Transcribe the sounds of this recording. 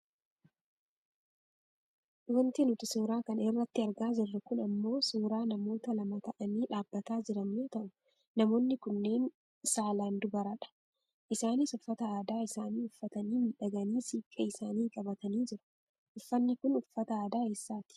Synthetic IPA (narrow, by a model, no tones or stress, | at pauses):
wɐnt̪ɪnʊt̪ɪsuːɾaːkɐnɪrːɐt̪ːɪɐɾɡaːd͡ʒɪrːɐkʊnɐmːo̞ːsuːɾaːnɐmo̞ːt̪ɐlɐmɐt̪ɐʔɐniːᶑaːbːɐt̪aːd͡ʒɪɾɐnːoːt̪ɐʔʊ | nɐmo̞ːnːɪkʊnːeːn | saːlaːnd̪ʊbɐɾɐᶑɐ̥ | ʔɪsaːniːsɔfːɐt̪ɐaːd̪aːɪsaːniːʊfːɐt̪ɐniːmɪᶑɐɡɐniːsiːkʼːɐɪsaːniːkʼɐbɐt̪ɐniːd͡ʒɪɾʊ̥ | ʔʊfːɐnːɪkʊnʊfːɐt̪ɐaːd̪aːeːsːaːt̪ɪ̥